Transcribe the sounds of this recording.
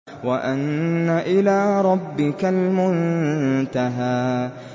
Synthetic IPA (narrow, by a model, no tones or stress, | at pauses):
waʔanːaʔɪlaːɾˤɑbːɪkalmʊnt̪aɦaː